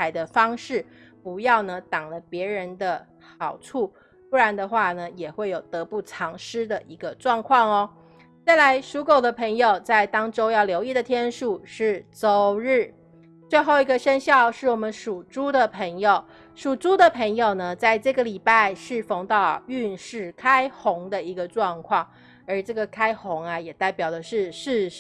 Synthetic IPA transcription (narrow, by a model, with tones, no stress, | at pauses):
a˨˩ɪd̪ə˧fɑ˥ŋʂɻ̩˥˩pu˧˥jɑ˥˩ʊnə˩t̪ɑ˨˩ŋlə˦pjɛ˧˥ɻə˧˥nd̪ə˧ | xɑ˨˩ʊʈ͡ʂʰu˥˩ | pu˥ɻa˧˥nd̪ə˧xwa˥˩nə˩jɛ˨˩xwe˥˩jo˨˩ʊt̪ɤ˧˦˥pu˥˩ʈ͡ʂʰɑ˧˥ŋʂɻ̩˥d̪ə˨ʔi˧˥ɡə˧ʈ͡ʂwɑ˥˧ŋkʰwɑ˥˩ŋɔ˧ | t͡sa˥˩ɪla˧˥ɪʂu˧˥ko˨˩ʊd̪ə˦pʰə˧˥ŋjo˨˩ʊt͡sa˥˩ɪt̪ɑ˥ŋʈ͡ʂo˥ʊjɑ˥˩ʊljo˧˥ʊi˥˩d̪ə˩t̪ʰjɛ˥nʂu˨˩ʂɻ̩˥˩t͡so˥ʊɻ̩˥˩ | t͡swe˥˧ɪxo˥˩ʊi˧˥ɡə˧ʂə˥nɕjɑ˥˧ʊʂɻ̩˥˩wɔ˨˩mə˦nʂu˨˩ʈ͡ʂu˥d̪ə˨pʰə˧˥ŋjo˨˩ʊ | ʂu˨˩ʈ͡ʂu˥d̪ə˨pʰə˧˥ŋjo˨˩ʊnə˩t͡sa˥˧ɪʈ͡ʂɤ˥˩ɡə˩li˨˩pa˥˧ɪʂɻ̩˥˩fo˧˥ŋt̪ɑ˥˩ə̰˨˩y˥˧nʂɻ̩˥˩kʰa˥ɪxʊ˧˥ŋd̪ə˨i˧˥ɡə˧ʈ͡ʂwɑ˥˧ŋkʰwɑ˥˩ŋ | ə˞˧˥ʈ͡ʂɤ˥˩ɡə˩kʰa˥ɪxʊ˧˥ŋɐ˧jɛ˨˩t̪a˥˩ɪpjɑ˨˩ʊd̪ə˦ʂɻ̩˥˧ʂɻ̩˥˧